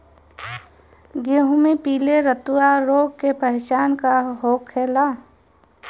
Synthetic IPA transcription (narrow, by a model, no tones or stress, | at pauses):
ɡeːɦʊ̃mepiːleɾət̪uwaɾoːɡ̚kepəɦet͡ʃaːnkaɦoːkʰːeːlaː